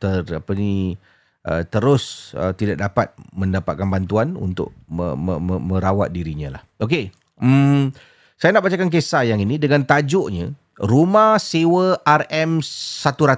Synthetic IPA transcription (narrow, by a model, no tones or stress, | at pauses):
t̪ərapəni | ʔə̰t̪əɾʊsə̰t̪idaʔ̚dapat̪̚mə̃ndapat̪̚kanbant̪uanṵnt̪ʊ̰ʔ̚ə̰əməmə̃ɾawat̪̚diɾiɲãla̰hok̬e | sajanaʔbat͡ʃakank̬esajaŋinĩdəŋant̪ad͡ʒʊʔɲã | ɾumãhsewəarɛmsat̪uɾat̪